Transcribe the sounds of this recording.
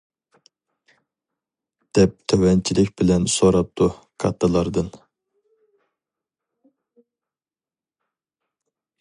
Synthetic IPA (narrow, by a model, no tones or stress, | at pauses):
d̪̥ɛp̚t̪ʰøwɛnt͡ʃʰilɪkʲbɪlɛnsoɾɑp̚t̪ʰu | kʰɑt̪ʰːɨlˠɑɾd̪ɨn